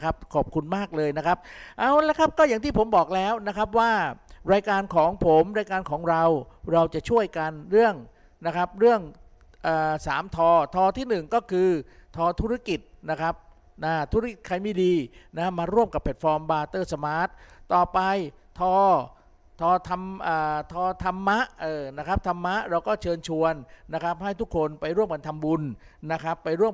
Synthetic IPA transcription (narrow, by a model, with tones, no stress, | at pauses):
kʰa˦˥p̚kʰɔː˨˩p̚kʰu˧nmaː˥˩k̚lɤː˧jna˦˥kʰa˦˥p̚ʔaː˧˩wlɛː˦˥kʰa˦˥p̚kɔː˥˩ja˨˩ŋt̪ʰiː˥˩pʰo˩˦mbɔː˨˩k̚lɛː˦˥wna˦˥kʰɾa˦˥p̬̚waː˥˩ɾaː˧jkaː˧nkʰɔː˩˦ŋpʰo˩˦mɾaː˧jkaː˧nkʰɔː˩˦ŋɾa˧wɾa˧wt͡ɕa˨˩ʔt͡ɕʰu˥˩əjka˧nɾɯ˥˩əŋ | na˦˥kʰa˦˥p̚ɾɯ˥˩əŋ | ʔaː˨˩saː˩˦mt̪ʰɔː˧t̪ʰɔː˧t̪ʰiː˥˩nɯ˨˩ŋkɔː˥˩kʰɯː˧ | t̪ʰɔː˧t̪ʰuː˦˥ɾa˦˥ki˨˩t̪̚na˦˥kʰɾa˦˥p̚ | ʔaː˧˩t̪ʰu˦˥ɾa˥ki˨˩t̪̚kʰːa˧jmiː˧˩diː˧na˦˥maː˧ɾu˥˩əmka˨˩pʰːɛ˨˩t̪̚fɔː˧mbaː˧t̪ɤː˥˩sa˧maː˦˥t̪̚ːɔː˨˩pa˧jt̪ʰɔː˧ | t̪ʰɔː˧t̪ʰa˧mʔaː˨˩t̪ʰɔː˧t̪ʰa˧mːa˦˥ʔʔɤː˨˧˩na˦˥kʰɾa˦˥p̚t̪ʰa˧mːa˦˥ʔɾa˧wkɔː˥˩t͡ɕʰɤː˧nt͡ɕʰu˧ənːa˦˥kɾa˦˥p̚ɦa˥˩jt̪ʰu˦˥kʰːo˧npa˧jɾu˥˩əmka˧nt̪ʰa˧mbu˧nː | a˦˥kʰɾa˦˥pːa˧jɾu˥˩əm